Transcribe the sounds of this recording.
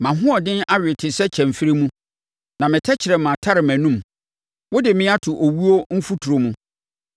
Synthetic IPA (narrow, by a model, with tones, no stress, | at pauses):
mã˨ɦʊ̃˦ɔ˨dɪ̃˦na˦ɥᶣɪ˨tʰɪ˨sɛ˦t͡ɕʰɛ̃˨m˨fi˦ɾi˦mũ˦ | nã˨mɪ̃˨tʰɛ˦t͡ɕʰɪ˨ɾɛ˨mã˨tʰa˦ɾɪ˨mæ̃˨nũ˦˨m | wʊ˦dɪ˨mɪ̃˦a˦tʰʊ˨ʔo˨wu˦o˦m̩˦fu˦tʰu˨ɾo˨mũ˦